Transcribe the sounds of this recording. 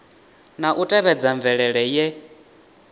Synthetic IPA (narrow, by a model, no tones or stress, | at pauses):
naʔutʼɛβɛd͡zaɱvɛɺɛɺɛjɛ